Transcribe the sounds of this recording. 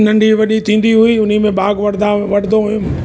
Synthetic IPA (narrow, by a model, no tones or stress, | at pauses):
nɐ̃ɳɖʱiʋɐɗit̪ʰĩːn̆d̪iɦʊiːʊn̤imẽɓaːɡʋɐɽd̪ãʋɐɽd̪oɦʊjõ